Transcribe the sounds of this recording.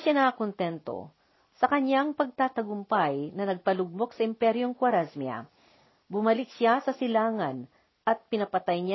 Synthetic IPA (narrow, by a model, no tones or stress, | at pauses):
ʃanɐɐkont̪ɛnt̪o̞̰ | sɐkɐɲjaŋpɐɡ̚t̪aːt̪ɐɡʊmpajnɐnɐɡ̚pɐlʊɡ̚mo̞k̚sɐʔɪmpɛɾjoŋkwɐɾasmiɐ̰ | bʊmɐlɪk̚sasɐsɪlaːŋɐn | ʔɐt̪̚pɪnɐpɐt̪ajɲa